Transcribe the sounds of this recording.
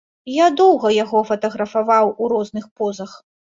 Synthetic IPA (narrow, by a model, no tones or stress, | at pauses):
jad̪ɔwɣɐjaɣɔfɐt̪ɐɣɾɐfavawuɾɔznɨxpɔzɐx